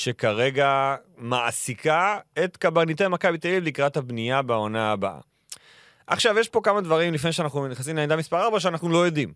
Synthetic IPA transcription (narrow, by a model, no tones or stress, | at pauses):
ʃe̞kaʁe̞ɡamaʔsikaet̪kabanit̪̬emakabit̪elivlikʁat̪habnijabeo̞naːbaʔa̰ | ʔaχʃavjeʃpo̞kamad̪vaʁimlifnejʃeanaχnuniχas̬imlend̪amispaʁaʁbaʃ̬eanaχnulo̞jod̪im